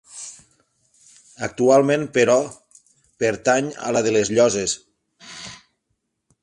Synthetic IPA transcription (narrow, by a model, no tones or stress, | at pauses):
ək̚t̪ualˠmẽnpəɾɔ | peɾt̪aɲə̰laðəlezʎɔzes